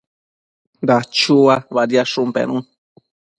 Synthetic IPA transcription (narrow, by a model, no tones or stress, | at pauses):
d̪at͡ʃuaβaɾiaʂũmpḛ̃ɾ̃ũ